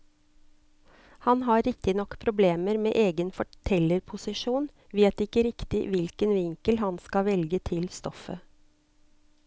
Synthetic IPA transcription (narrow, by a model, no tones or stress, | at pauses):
hɑnɦɑːɾɪk̚t̪ɪnɔkːpʰɾʊbleːməɾmḛːʔeːɡənfɔʈʰɛləɾpʰʊsɪʃuːn | ʋeːt̪ɪkəɾɪkt̪ɪ̰ʋɪlkənʋɪŋkəlɦɑnskɑʋɛlɡət̪ʰɪlst̪ɔfə̰